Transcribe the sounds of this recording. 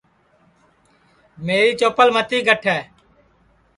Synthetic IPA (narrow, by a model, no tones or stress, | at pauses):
meːɾiːt͡ʃoːpəlmət̪iːɡʱəʈʰɛː